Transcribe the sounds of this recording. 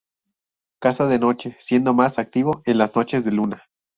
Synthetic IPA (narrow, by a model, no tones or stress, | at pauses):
kasaðeno̞t͡ʃe̞sje̞nd̪o̞masak̚t̪iβ̞o̞ʔe̞nlazno̞t͡ʃe̞zðe̞luna